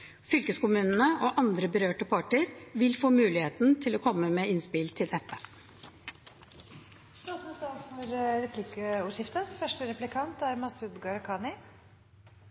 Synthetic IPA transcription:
fʏlkəskʊmʉːnn̩əʔoːʔɑnd̪ɾəbəɾøːʈəpʰɑʈəɾʋɪlfoːmʉːlɪheːt̪n̩t̪ʰɪloːkʰɔmːəmeːɪnspɪlt̪ʰɪld̪ɛt̪ʰːə | st̪ɑsmst̪ɑːfɔɾɾɛpʰliːkəuːʂɪft̪əfœʂʈəɾɛplɪkʰɑnt̪æɾmɑsʉd̪ɡɑɾkʰɑːnɪ

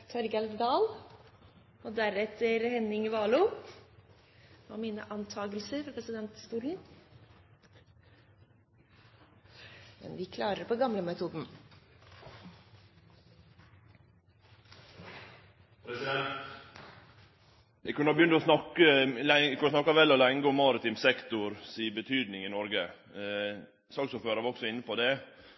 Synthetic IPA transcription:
t̪ʰɔɾɡɛld̪d̪ɑːl | ɔd̪æɾɛt̪ʰːəɾhɛnɪŋʋɑːlʊ | ɔ̰miːnə̰ʔɑnt̪ʰɑːɡəlsəɾfɾɔɾpʰɾɛsɪd̪ɛnt̪st̪uːlən̩ | mɛ̰nʋɪkʰlɑːɾəɾpʰɔɡɑmləmɛt̪ʰuːd̪n̩ | pʰɾɛsɪɛnt̪ | ɛɡkʰʉnəɑbjʏnt̪ɔsnɑkːəlɛkʰʉnːəsnɑkːɑʋɛlːɔlɛŋɡəɔmːɑːɾət̪ʰɪmsɛkt̪ʊɾsiːbət̪ʰyːd̪nɪŋɪnɔɾɡə | sɑːɡsuːpføːɾəɾʋɾɔksɔɪnːəpɔd̪ɛ

